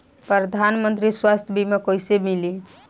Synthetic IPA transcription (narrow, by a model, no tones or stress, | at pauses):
pɾəd̪ʱanmənt̪ɾiswast̪ʰjbʱimekojsemili